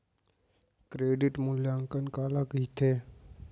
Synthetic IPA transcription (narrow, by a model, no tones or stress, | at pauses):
kɾeːɖɪʈmʊljaːŋkənkaːlakəit̪ʰeː